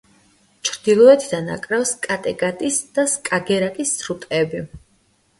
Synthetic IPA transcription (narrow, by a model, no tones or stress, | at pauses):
t͡ʃʰɾd̪̥ilˠɔɛt̪ʰid̪ana̰kʼɾafskʼat̪ʼɛɡʼat̪ʼisd̪̥askʼaɡɛɾakʼisʰɾut̪ʼɛbi